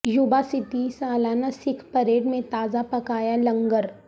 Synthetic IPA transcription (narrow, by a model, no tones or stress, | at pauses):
jubasɪt̪isaːlanasɪkʰpəɾeːɖmẽt̪aːzapɐkaːjalɐŋɡəɾ